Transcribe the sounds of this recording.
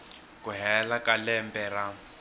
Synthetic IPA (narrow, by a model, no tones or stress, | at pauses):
kuɦɛlakalɛmbɛɾa